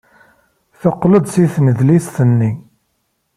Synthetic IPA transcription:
θəqːləd̪ˤsiθnəðlisθənːi

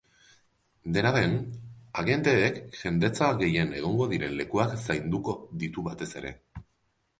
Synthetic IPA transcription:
d̪e̞naðe̞naɣe̞nt̪e̞ːkʝe̞nd̪e̞t͡saɣe̞je̞ne̞ɣ̞o̞ŋɡo̞ðiɾe̞nle̞kuaksajnd̪uko̞ðit̪uβat̪e̞se̞ɾe̞̰

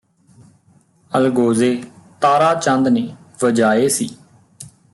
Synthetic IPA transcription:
əlɡoːzeːt̪aːɾaːt͡ʃənd̪neː | ʋəd͡ʒaːeːsḭː

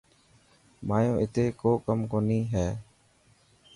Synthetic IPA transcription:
maːjõːʔɪt̪eːkoːkəmkoːniːɦɛː

